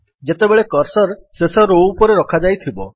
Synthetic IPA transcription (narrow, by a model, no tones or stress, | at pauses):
d͡ʒet̪ebeɭekɔɾsɔɾsesɔɾoupɔɾeɾɔkʰad͡ʒajt̪ʰibɔ